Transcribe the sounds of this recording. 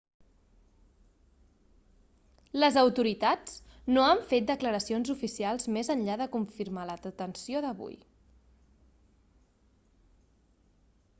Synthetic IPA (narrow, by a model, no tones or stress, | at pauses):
ləzəwt̪uɾit̪at͡snoəɱfet̪̚d̪əkləɾəsionzufisialˠzmezənʎaðəkuɱfiɾmaləðət̪ənsioðəβṵj